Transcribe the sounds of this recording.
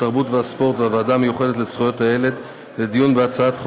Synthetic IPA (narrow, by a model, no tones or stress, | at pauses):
taʁbutveaspo̞ʁtveavadamejuχedetlet͡sχujo̞thaeled̪ | led̪ijunbeat͡saat̪χ